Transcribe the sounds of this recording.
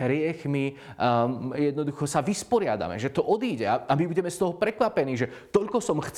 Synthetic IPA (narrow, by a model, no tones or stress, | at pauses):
ɾɪɛxmi | jɛd̪nɔd̪uxɔsaʋispɔɾɪad̪a̰mɛ̰ʒɛt̪ɔʔɔd̪iːɟɛaamibuɟɛmɛst̪ɔɦɔpɾɛkʋapɛniːʒɛt̪ɔʎkɔsɔmxt͡s